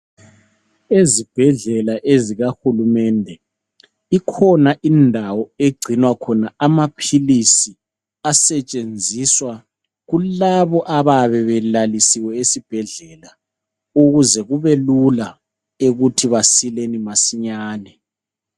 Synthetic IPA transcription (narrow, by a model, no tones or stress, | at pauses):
ezib̥ʱɛɮɛlaʔeziɣaxulumɛndʱɛ | ikʰɔnaʔindʱawɔeɡ͡ǀʱinwakʰɔnaamapʰilisi | asɛt͡ʃʼend͡zʱiswa | ɣulaβɔʔaβaβɛβɛlalisiwɛesib̥ʱɛɮɛla | uɣuzɛɣuβelula | eɣutʰiβasilenimasiɲaːnɛ